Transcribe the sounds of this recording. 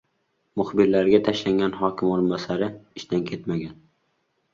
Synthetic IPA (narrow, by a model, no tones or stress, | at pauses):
mʊχbɪɾlaɾɡʲat̪ʰaʃlaŋɡʲanɦɒkʲʰɪmoɾɪnbasaɾɪɪʃt̪ankʲʰe̞t̪maɡʲan